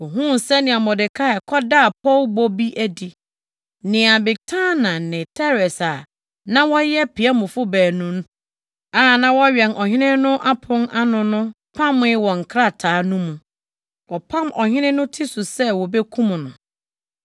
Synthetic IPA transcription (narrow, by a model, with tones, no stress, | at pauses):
wɔ˨ɦũ˦n˨sɛ˦nɪ̃˨a˨mɔ˨dɪ˨kʰa˦ɛ˨kʰɔ˦da˦˨pʰɔ˦lbɔ˦bi˦ʔæ˦di˨ | nɪ̃˨a˨bɪ˨tʰã˦nã˨nɪ̃˨tʰɛ˦ɾɛ˨sa˨ | nã˦wɔ˦jɛ˦pʰi˨a˦mʊ̃˨fʊ˦bæː˨nũ˦n˦ | a˨nã˦wɔ˦ɥɛ˨nʔɔ˨hɪ̃˦nɪ̃˦nʊ̃˦ʔa˦pʰʊ̃˦na˦nʊ̃˨nʊ̃˦ | pʰã˦m˦ɪ˦wɔ˨ŋ̩˨kʰɾa˦˨tʰaː˨˦nũ˦mũ˨ | wɔ˨pʰã˦mʔɔ˨hɪ̃˦nɪ̃˦nʊ̃˦tʰɪ˦sʊ˨sɛ˦wɔ˨bɛ˦kʰũ˦m˨nʊ̃˨